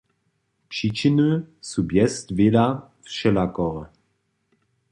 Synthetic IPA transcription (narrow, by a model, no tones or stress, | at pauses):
pʂit͡ʃinɨsubjɛstvela | fʃɛlakɔʁə